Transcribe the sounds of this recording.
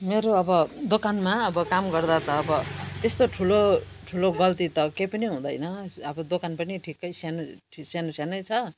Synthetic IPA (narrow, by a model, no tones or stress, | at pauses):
meɾoʌbʌd̪okanmaʌbʌkamɡʌrd̪at̪ʌːbʌt̪est̪oʈʰulo | ʈʰuloɡʌlt̪it̪ʌkejpʌniɦũd̪ʌjnʌʌbʌd̪okanpʌniʈʰikːʌjsanuʈʰisanusjanʌjt͡sʰʌ